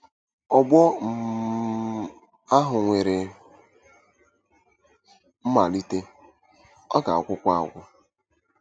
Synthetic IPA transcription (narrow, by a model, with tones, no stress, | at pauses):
ɔ˨bɔ˦m̩˨ | a˦ɦʊ˨ŋʷe˨ɾe˨ | m̩˦ma˨li˦te˦ | ɔ˦ka̰˨ɔ̰˨˦kʷʊ˦kʷa˦a̰˨ɡʷʊ̰˦